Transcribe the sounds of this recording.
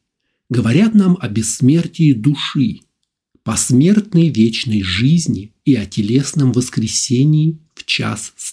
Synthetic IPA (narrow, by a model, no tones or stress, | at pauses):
ɡəvɐɾʲat̪namɐbʲɪsːmʲertʲɪːd̪uʂɨ | pɐsmʲe̞rt̪nəjvʲet͡ɕnəjʐɨzʲnʲɪiɐtʲɪlʲesnəmvəskɾʲɪsʲenʲɪːft͡ɕa̰ss